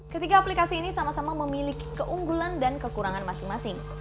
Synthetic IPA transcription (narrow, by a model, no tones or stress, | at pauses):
kət̪iɡaːplikasiːnisamasamaməmiliki̥kəʔuŋɡulandankəkuɾaŋanmasɪŋmasɪŋ